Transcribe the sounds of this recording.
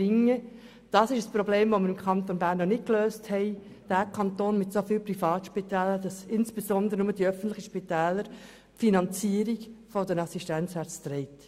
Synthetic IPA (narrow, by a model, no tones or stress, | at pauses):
ɪŋːə | d̥ɑːsɪʃəsprɔbleːmʋoməɾɪmkʰɑnt̪onbæːɾnːɔnɪt̚kløːsthɛɪ | d̥æːkʰɑnt̪oːnmɪtsofiːlprifɑːtʃpitɛːləd̥ɑsɪnsb̥esɔnd̪əɾənʊməd̥iœfən̩tlɪχəʃpitɛːləɾ | finɑnt͡siːəɾiɡfɔdənɑsiʃtænt͡sʋæɾt͡st̪ɾɛɪt